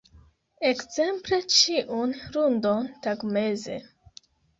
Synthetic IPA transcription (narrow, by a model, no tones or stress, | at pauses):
e̞kz̥e̞mple̞t͡ʃiʔunɾundo̞ntaɡme̞ze̞̰